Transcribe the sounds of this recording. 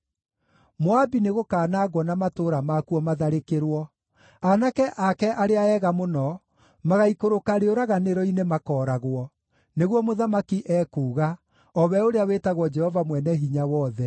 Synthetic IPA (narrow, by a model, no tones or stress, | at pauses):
mwabineɣokaːnaːɡwɔnamatoɾamakuɔmaðaɾekeɾwɔ | anakɛʔakɛʔaɾeaɛɣamonɔ | maɣaikoɾokaɾeoɾaɣaneɾɔinemakɔːɾaɣwɔ | neɣwɔmoðamakiʔɛːkuːɣa | ɔβɛoɾeaweːtaɣwɔd͡ʒɛhɔvamwɛnɛɦiɲawɔðɛ